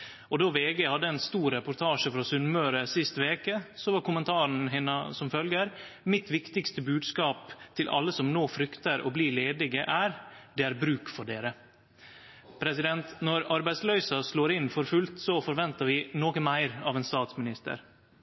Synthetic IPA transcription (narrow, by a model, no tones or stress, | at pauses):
ɔd̪oːʋeːɡɛhɑd̪ːəɛnst̪uːɾɛpʊɾt̪ʰɑːʂəfɾɑːsʉnmøːɾəsɪst̪ʋeːkəsɔʋɑɾkʊmənt̪ʰɑːɾɳ̩ɦɪnːəsɔmfœlɡəɾ | mɪt̪ʋɪkt̪ɪkst̪əbʉːd̪skɑːpt̪ʰɪlʔɑ̰lːəsɔmnoːfɾʏkt̪əɾɔ̰bliːleːd̪ɪɡəʔæːɾd̪ɛæɾbɾʉːkfɔɖeːɾə | pʰɾɛsɪd̪ɛnt̪nɔɾɑɾbæɪd̪slœʏsɑsloːɾɪnːfɔɾfʉlt̪sɔfɔɾʋɛnt̪ɑɾʋɪnoːkənmæɪɾɑːʋɛːnst̪ɑːt̪smɪnɪst̪ə̰ɾ